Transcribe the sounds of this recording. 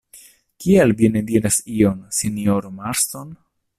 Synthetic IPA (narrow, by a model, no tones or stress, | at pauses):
kialvinediɾasionsinioɾomaɾston